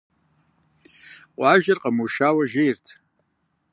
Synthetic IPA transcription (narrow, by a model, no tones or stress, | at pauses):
qʷʼaʒarqʼamuʃawaʒejrtʰ